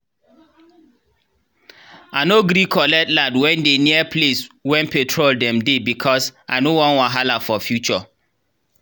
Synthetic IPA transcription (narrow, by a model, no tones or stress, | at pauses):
anoɡɾikʰɔlɛtlãdwɛ̃ndeniapʰleswɛ̃npɛtʰɹoldɛ̃mdebikʰɔsʔanowɔ̃nwãɦalafɔfjut͡ʃɔ